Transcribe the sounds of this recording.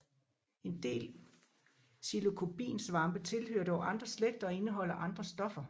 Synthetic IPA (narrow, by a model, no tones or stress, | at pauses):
e̝nd̥e̝̰ːl | silo̝kʰo̝b̥ḭːnsʋɑ̈mb̥ət͡sʰe̝lhøɐd̥ɒʊʔɑ̈nd̥ʁɐsleɡ̥̚d̥ɐːe̝nəɦɒ̽l̰ɐʔɑ̈nd̥ʁɐsd̥ɒ̽fɐ